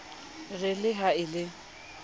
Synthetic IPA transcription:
rɪlɪɦaɪlɪ

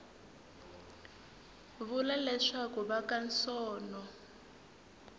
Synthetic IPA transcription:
βulalɛʂakuβakansɔːnɔ

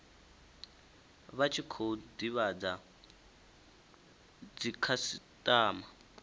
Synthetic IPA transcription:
βat͡ʃʰikʰodiβad͡za | d͡zikʰasitʼaːma

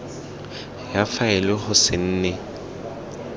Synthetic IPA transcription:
jafaɛlɪχʊsɪn̩ːnɛ

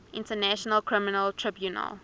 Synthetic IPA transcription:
ʔɪ̃ntənæʃɔnəlkʰɹɪmɪnəltʰɹɪbjunə̰l

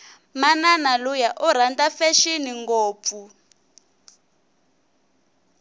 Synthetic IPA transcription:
mananalujaʔuɾ̤andafɛʃiniŋɡoːp̪fu

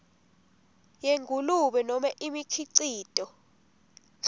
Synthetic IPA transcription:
jeŋɡʱuluɓɛnɔmaʔimikʰiǀiːtʼɔ

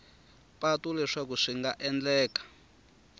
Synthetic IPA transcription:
patulɛʂakuʂiŋɡaʔɛnd͡ɮɛːkḁ

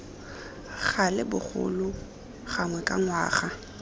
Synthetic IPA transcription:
ɣalɪbʊχʊ̰lʊ | ɣaŋwɛkʼaŋwaːχa

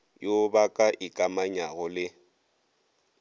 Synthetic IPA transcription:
jobakʼaʔikʼamaɲaɣɔlɪ

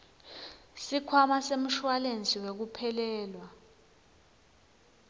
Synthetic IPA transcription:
sikʰwamasem̩ʃwalent͡sʼiwek̬upʰɛlɛːlwa

